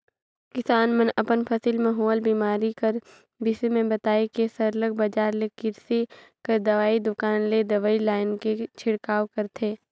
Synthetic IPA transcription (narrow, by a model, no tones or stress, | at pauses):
kɪsaːnmənɐpənpʰɐsilmẽɦoːlbiːmaːɾikɐɾ | bɪsemẽbɐt̪aːekesɐɾləɡ̚bɐd͡ʒaːɾlekɪɾse | kɐɾd̪ɐʋaːid̪ʊkaːnled̪ɐʋaːilaːɪnket͡ʃʰɪɽkaːʋkɐɾt̪ʰeː